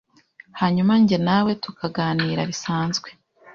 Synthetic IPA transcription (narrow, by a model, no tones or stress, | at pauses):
haːɲumaɲɟe̞nawe̞tukʰaɡaːniːɾaɾisaːnzɡwe̞